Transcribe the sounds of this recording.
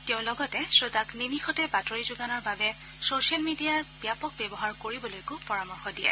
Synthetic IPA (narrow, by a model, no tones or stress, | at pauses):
teʊ̃lɔɡɔtɛsɹodaknimixɔtɛbatoɹizʊɡanɔɹbabɛ | sosijalmidijaɹbjapɔk̚bɛbɔɦaɹkoɹibɔlojkʊpɔɹamɔɹxɔdijɛ̰